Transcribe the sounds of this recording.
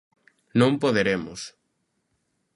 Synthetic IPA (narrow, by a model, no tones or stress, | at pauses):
nõmpoðeɾemʊs